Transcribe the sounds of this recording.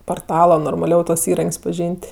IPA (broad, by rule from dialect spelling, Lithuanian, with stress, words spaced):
poːrˈtɑːlˠoː noːrmɐˈlʲɛʊ tuɔs iːˈrɐŋʲkʲsʲ pɐˈʒʲiːnʲtʲ